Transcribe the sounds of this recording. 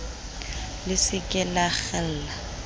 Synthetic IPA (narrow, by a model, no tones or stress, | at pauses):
lɪsɪkʼɛlaɣɛl̩ːla